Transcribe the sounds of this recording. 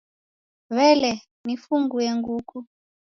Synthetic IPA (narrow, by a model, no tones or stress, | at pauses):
βɛlɛ | nifuŋɡujeŋɡuːkʰu